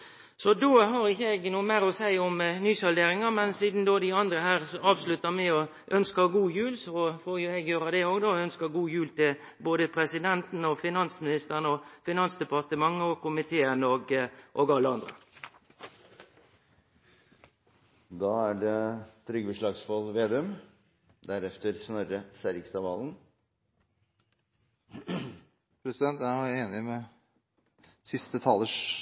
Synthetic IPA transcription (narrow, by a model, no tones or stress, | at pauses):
sɔd̪oːɦɑɾɪçːəɛɡnuːəmæɪɾɔsæɪɔmnyːsɔld̪eːɾɪŋɑmɛnsiːd̪n̩d̪oːd̪ɪɑnd̪ɾəhæːʁsɔɑːʋslʉt̪ːəmæɪɔ | ʔœnskəɡuːjʉːlsɔfoːɾjʊɛɡjøːɾɑd̪ɛoːɡd̪oɔœnskəɡuːjʉːlt̪ɪl | boːd̪əpʰɾɛsɪd̪ɛnt̪n̩ɔfɪnɑnsmɪnɪst̪əɾənəɔfɪnɑnsd̪ɛpɑʁt̪əmɑŋːəɔkʊmɪt̪ʰeːənɔɡʔoɡɑlːəɑnd̪ɾə | d̪ɑːæɖɛt̪ʰɾʏɡəbəʂɭɑːɡsfɔlʋeːd̪ɛœm | d̪æɾɛft̪əɾsnœɾəsæɾɪkst̪ɑʋɑːln̩ | pʰɾɛsɪd̪ɛnt̪jæjʊeːnɪmɛ | sɪst̪ət̪ʰɑːlːəʂ